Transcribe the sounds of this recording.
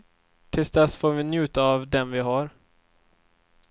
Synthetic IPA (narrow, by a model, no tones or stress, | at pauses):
t̪ʰɪlsd̪ɛsfoːɾvɪnjʉ̟ːt̪aːvd̪ɛnvɪɦaɾ